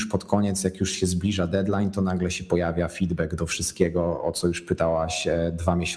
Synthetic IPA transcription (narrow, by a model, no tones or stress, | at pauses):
ʂpɔt̪kɔɲɛt̪sjakjuʂɕɛzblʲiʐad̪ɛd̪lajnt̪ɔnaɡlɛɕɛpɔjavʲjafʲid̪bɛɡd̪ɔfʂɘst̪̚kʲɛɡɔɔt̪sɔjuʂpɘt̪awaɕd̪vamʲjeɕ